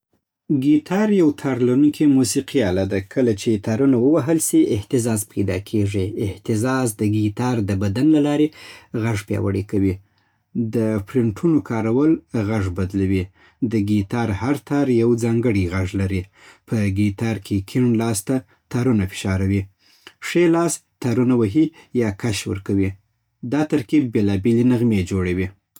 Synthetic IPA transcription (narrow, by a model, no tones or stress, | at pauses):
ɡit̪ʰɑɾjawt̪ʰɑɾlaɾunkʰimusiqialad̪akʰəlat͡ʃet̪ɑɾunawəwaɦəlsiʔɪht̪ɪzɑzpʰajd̪ɑ̰kʰeʐiɪht̪ɪzɑzd̪əɡit̪ɑɾd̪əbad̪anlalɑɾeɣaʐpjɑ̰wa̰ɽekawi | d̪əpɾɪɳʈʰunokʰɑɾawəlɣaʐbad̪lawi | d̪əɡit̪ɑɾhaɾt̪ʰɑɾjawd͡zɑŋɡəɽiɣaʐlaɾi | pʰəɡit̪ɑɾkʰekʰɪɳlɑst̪a | t̪aɾunafɪ̥ʃɑɾawi | ʂelɑst̪aɾunawaɦijɑkaʃwə̰ɾkawi | d̪ɑt̪aɾkib̚ːelɑbelenaɣmed͡ʒoɽawi